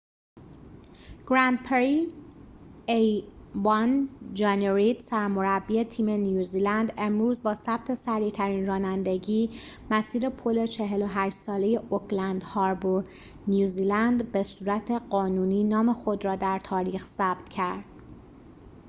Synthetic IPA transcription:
ɡ̥ɾænd̪̚pʰeɾi | ejvɑnd͡ʒɑneɾid̪sæɾmo̞ɾæbːiet̪ʰiːme̞njuːziːlænd̪e̞mɾuːzbɒːsæb̥̚t̪ʰe̞sæɾiːt̪ʰæɾiːnrɒːnænd̪e̞ɟiː | mæsiːɾe̞pʰole̞t͡ʃʰe̞ɦelo̞ɦæʃsɒːle̞je̞ʔokʰlænd̪hɒːɾboɾ | njuːziːlænd̪be̞suːɾæt̪ʰe̞ɢɒːnuːniːnɒːme̞xo̞d̪ɾɒːd̪æɾt̪ʰɒːɾiːxsæbt̪ʰcʰæɾd̪̥

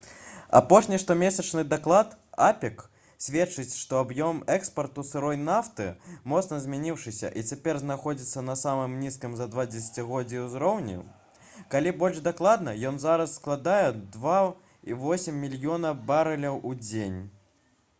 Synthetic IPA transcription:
a̰pɔʂnʲiʂt̪ɔmʲesʲɐt͡ʂnɨd̪aklˠat̪apʲɛk | sʲvʲɛt͡ʂɨt͡sʲʂt̪ɔabjɔmɛkspɐrt̪usɨɾɔjnaft̪ɨmɔt̪snɐzʲmʲanʲiwʂɨsʲɐ̰ʔit͡sʲapʲɛrznaxɔd͡zʲit̪sːɐnɐsamɨmnʲiskimzɐd̪vad͡zʲɛs̬ʲat͡sʲiɣɔd͡zʲiwzɾɔwnʲḭ | kalʲibɔlʲʐd̪aklˠad̪nɐjɔnzaɾɐsːklˠad̪ajɛd̪va | ivɔsʲimːʲilʲjɔnɐbaɾɐlʲɐwud͡zʲenʲ

